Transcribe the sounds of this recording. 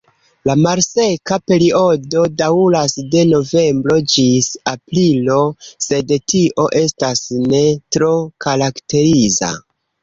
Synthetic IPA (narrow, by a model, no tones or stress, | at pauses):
lamaɾse̞kape̞ɾio̞do̞daulasde̞no̞ve̞mbɾo̞d͡ʒisapɾilo̞se̞dtiʔo̞ʔe̞stasne̞tɾo̞kaɾakte̞ɾiza̰